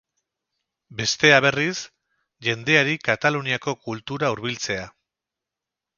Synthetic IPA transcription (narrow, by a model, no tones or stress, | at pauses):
be̞st̪e̞aβe̞ris | ʝe̞nd̪e̞aɾikat̪aluniako̞kult̪uɾauɾβilt͡se̞a